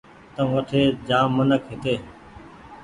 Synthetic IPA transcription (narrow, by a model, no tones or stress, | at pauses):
t̪əʋəʈʰeːd͡ʒaːmənəkɦɪt̪eː